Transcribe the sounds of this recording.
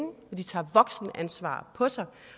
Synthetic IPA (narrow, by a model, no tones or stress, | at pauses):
ŋəɒ̽d̥it͡sʰɑ̰̈ːʋɒ̽ɡ̥sn̩ʔænsʋɑ̰̈ːpʰɒ̽sɑ̈ɪ